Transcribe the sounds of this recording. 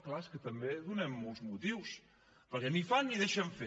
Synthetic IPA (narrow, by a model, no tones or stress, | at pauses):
klaeskət̪əmbeðunɛmːolˠzmut̪iws | pəɾkɛnifanːiðeʃəɱfe